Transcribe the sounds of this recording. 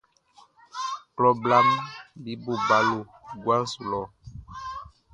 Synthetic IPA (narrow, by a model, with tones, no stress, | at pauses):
plɔ˦bla˦mbi˦bo˦˨ba˨˦lo˨ | ɡwa˦su˨lɔ˨